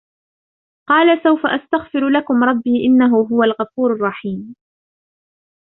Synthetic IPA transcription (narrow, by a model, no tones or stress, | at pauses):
qɑːlasawfaʔast̪aɣfɪɾlakʊmɾˤɑbːiːʔɪnːaɦʊɦʊwalɣɑfuːɾɑrˤːɑħiːm